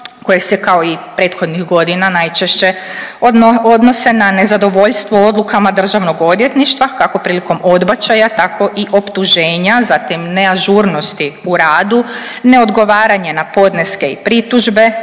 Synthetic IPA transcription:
ko̞jesekao̞ipɾe̞ːt̪xo̞d̪nixɡo̞d̪inanajt͡ʃeʃt͡ɕe | od̪no̞se̞nane̞zad̪o̞ʋo̞ʎst̪ʋo̞o̞d̪lˠukamad̪r̩ʒaʋno̞ɡo̞d̪je̞t̪niʃt̪ʋakako̞pɾiːliko̞mo̞d̪bat͡ɕajat̪ako̞ʔiʔo̞pt̪uʒe̞ːɲazat̪imne̞aʒuɾno̞st̪iuɾaːd̪une̞o̞d̪ɡo̞ʋaːɾaɲenapo̞d̪neske̞ḭpɾit̪uʒbe̞

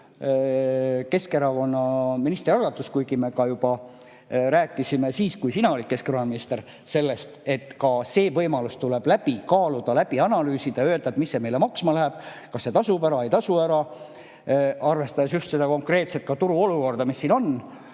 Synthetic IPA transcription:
ke̞ske̞ɾɑko̞nːɑminist̪riɑlɡ̥ɑt̪ːˑuskujɡime̞kɑjub̥ɑ | ɾæːkːˑisimesiːskujsinɑo̞lʲikːe̞skeɾonminist̪e̞ɾ | se̞lːe̞st̪e̞t̪ːkɑse̞ːvɤjmɑlust̪ule̞b̥læb̥ikɑːlud̪̥ɑlæb̥iɑnɑlyːsid̪̥ɑø̞ːld̪ɑd̪misːeme̞jlemɑksmɑlæɦeb̥ | kɑsːe̞t̪ɑsubæɾɑe̞jt̪ɑsuæɾɑ | ʔɑrve̞st̪ɑd̪es̬just̪se̞d̪ɑko̞ŋkre̞ːt̪set̪̚kɑt̪uɾuo̞luko̞rd̪̥ɑmisːiːno̞n

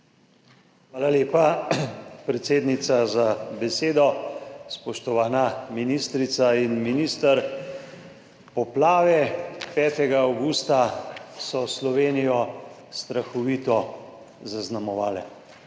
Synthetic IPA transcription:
xʋaːlaleːpa | pɾɛt̪seːd̪nit̪sazabɛseːd̪ɔspɔʃt̪ɔʋaːnaminist̪ɾit̪sainminiːst̪aɾ | pɔplaːʋɛpɛːt̪ɛɡaːwɡuːst̪asɔslɔʋeːnijɔ | st̪ɾaxɔʋit̪ɔ | zaznamɔʋa̰ːlɛ̰

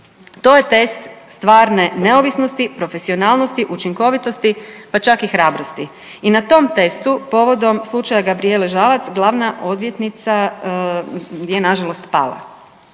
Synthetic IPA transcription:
t̪o̞ːje̞t̪e̞st̪st̪ʋaːɾne̞ne̞oʋisnost̪ipɾo̞fe̞sio̞naːlˠno̞st̪iʔut͡ʃiŋko̞ʋit̪o̞st̪ipat͡ʃakixɾaːbɾo̞st̪i | inat̪o̞mt̪e̞st̪upo̞ʋo̞d̪o̞mslˠut͡ʃajaɡabɾie̞leʒalat̪sɡlˠaʋnaʔo̞d̪ʋjet̪nit̪sa | jenaʒalo̞st̪pa̰ːlˠa̰

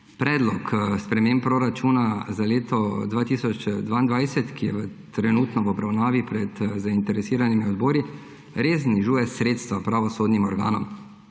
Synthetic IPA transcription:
pɾɛːd̪lɔkspɾɛmeːmpɾɔɾat͡ʃuːnazaleːt̪ɔd̪ʋaːt̪iːsɔt͡ʃd̪ʋaːind̪ʋajsɛt̪kijɛʋət̪ɾɛnuːt̪nɔʋɔbɾawnaːʋipɾɛt̪zaint̪ɛɾɛsiːɾanimiɔd̪bɔːɾi | ɾeːzniʒuːjɛsɾeːt̪st̪ʋapɾaʋɔsoːd̪nimɔɾɡa̰ːnɔ̰m

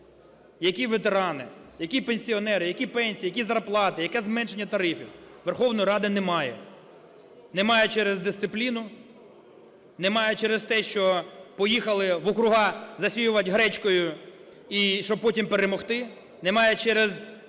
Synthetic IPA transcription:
jɐkʲiʋet̪eɾɑnɪjɐkʲipenʲsʲiɔnɛɾɪjɐkʲipɛnʲsʲijɐkʲizɐrplˠɑt̪ɪjɐkɛzmɛnʃe̞nʲːɐt̪ɐɾɪfʲiwʋerxɔwnɔjɾɑd̪ɐnemɑjɛ̰ | nemɑjʊt͡ʃɛɾezd̪ɪst̪sɪplʲinʊ | nemɑjɛt͡ʃɛɾest̪ɛʃt͡ʃɔpɔjixɐlˠɪʋɔkɾʊɦɑzɐsʲijʊʋɐtʲɦɾɛt͡ʃkɔjʊ | iʃɔbpɔtʲimpeɾemɔxt̪ɪ | nemɑjɛt͡ʃɛɾez

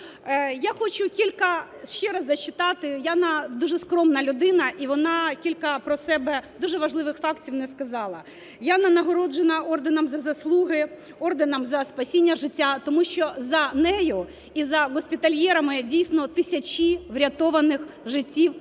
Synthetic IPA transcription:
jaxɔt͡ʃʊkʲilʲkɐ | ʃt͡ʃɛɾɐzɐt͡ʃːɪt̪ɑt̪ɪjanɐd̪uʐɛskɾɔmnɐlʲʊd̪ɪnɐʔiʋɔnɑkʲilʲkɐpɾɔsɛbɛd̪uʒɛʋɐʐlˠɪʋɪxfɑktʲiwnɛskɐzɑlˠɐ | janɐnɐɦɔɾɔd͡ʒenɐɔrd̪enɐmzɐzɐslˠuɦɪ | ɔrd̪enɐmzɐspɐsʲinʲːɐʒɪtʲːat̪ɔmuʃt͡ʃɔzɐnɛjʊ | izɐɣɔsʲpʲɪt̪ɐlʲjɛɾɐmɪdʲijsʲnɔt̪ɪsʲɐt͡ʃʲiʋɾʲɐt̪ɔʋɐnɪxʒɪtʲːiw

